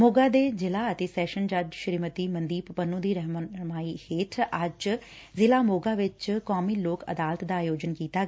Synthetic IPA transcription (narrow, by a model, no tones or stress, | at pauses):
moːɡaːd̪eːd͡ʒɪlaːət̪eːsɛːʃənd͡ʒad̪ʃɾiːmət̪iːmənd̪iːppənũːd̪iːɾəɦmmaːiːheːʈ̪ʰad͡ʒ | zɪlaːmoːɡaːʋɪt͡ʃkaːmiːloːkə̰d̪aːlət̪d̪aːjoːd͡ʒənkiːt̪aː